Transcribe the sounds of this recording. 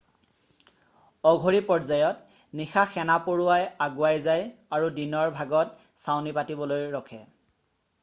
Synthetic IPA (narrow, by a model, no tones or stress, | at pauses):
ɔɡʱoɹipɔɹzajɔt | nixaxɛnapoɹʊwajaɡʊajzajaɹudinɔɹbʱaɡɔt̚ | sawnipatibɔlojɹɔkʰɛ̰